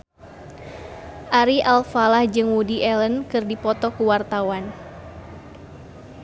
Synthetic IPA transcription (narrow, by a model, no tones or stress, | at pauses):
ʔaɾiʔalfalahd͡ʒɨŋwudiʔɛlənkɨrdipɔt̪ɔkuwart̪awan